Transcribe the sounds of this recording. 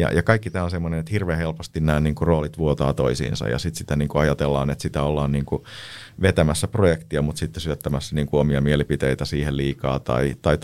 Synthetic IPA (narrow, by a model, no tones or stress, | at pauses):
jɑ̰jɑkɑikːit̪æːonsemːonenet̪hirʋeːhelpost̪innæːnniːŋkuroːlit̪ʋuot̪ɑːt̪oisḭːnsɑ̰jɑ̰sit̪sit̪æniːŋkuɑjɑt̪elːɑ̰ːnet̪sit̪æolːɑːnniːŋku | ʋet̪æmæsːæprojekt̪iɑmut̪sit̪ːesyøt̪ːæmæsːæniːŋkuomiɑmielipit̪eit̪æsiːhelliːkɑ̰ːt̪ɑ̰it̪ɑi